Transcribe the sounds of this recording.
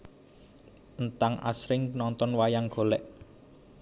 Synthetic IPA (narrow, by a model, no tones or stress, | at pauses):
ənt̪aŋʔa̰sɾɪŋnɔnt̪ɔnwajaŋɡ̥o̤lɛʔ